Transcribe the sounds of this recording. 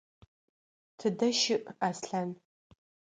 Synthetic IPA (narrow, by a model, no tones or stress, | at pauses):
tʰɨdɐʃɪʔaːsɬan